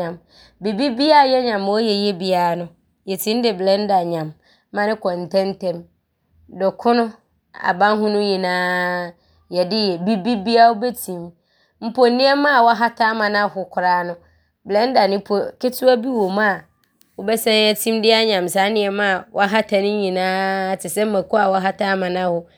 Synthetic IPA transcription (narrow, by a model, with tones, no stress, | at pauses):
ã˨m | bi˨bi˦bi˦a˦˨jɛ˦ɲã˨m˨wɔ˦jɛ˨jɛ˦bi˦a˨nʊ̃˦ | jɛ˨tʰĩ˦n˦dɪ˨blɛ˦n̩˦da˨ɲã˨mː | ã˦nɪ̃˦kɔ̃˨n˨tʰɛ̃˦n˦tʰɛ̃˦m | dɔ˨kʰʊ̃˦nʊ̃˦ | a̰˨bã˦n˦ɦʊ̃˦nʊ̃˦jɛ˨nãː˨˦ | jɛ˨dɪ˦jɛ˨bi˦bi˦bi˦a˦wʊ˦bɛ˦tʰĩ˨m | m̩˦pɔ˨˦nɪ̃˦ɛ˦mã˦˨wɔ˦a˦ɦa˦tʰa˦mã˨nã˦hʊ˨kʰʊ˨ɾaː˨˦nʊ̃˦ | blɛ˦n˦da˨nɪ̃˦pʰo˨kɪ˦tʰʊ˦a˦bi˦wo˨mã˦˨ | wʊ˦bɛ˦sɛ̃˦ɛ˦tʰĩ˦mdɪ˦a˦ɲã˨msa˨˦nɪ̃˦ɛ˦mã˦˨wɔ˦a˦ɦa˦tʰa˨nɪ̃˦ɲĩ˨nãː˦tʰɪ˨sɛ˦m̩˦mã˨kʊ˦a˨wɔ˦ɦa˦tʰa˦mã˨nã˦hʊ˨